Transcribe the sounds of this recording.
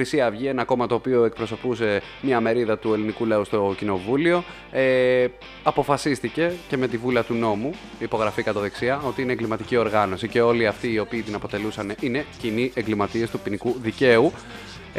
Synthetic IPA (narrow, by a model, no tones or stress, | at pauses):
ɾisiɐvʝienɐko̞mɐt̪o̞ːpio̞e̞k̚pɾo̞so̞puse̞ | mɲɐme̞ɾiðɐt̪ue̞linikulɐust̪o̞cino̞vulio̞ | e | ɐpo̞fɐsist̪ice̞ce̞me̞t̪ivulɐt̪uno̞mu | ipo̞ɣɾɐfikɐt̪oðeksiɐo̞t̪iineŋɡlimɐt̪icio̞ɾɣɐno̞sice̞o̞liɐft̪iːo̞piːt̪inɐpo̞t̪e̞lusɐne̞ʔine̞ciniʔeŋɡlimɐt̪ie̞st̪upinikuðice̞u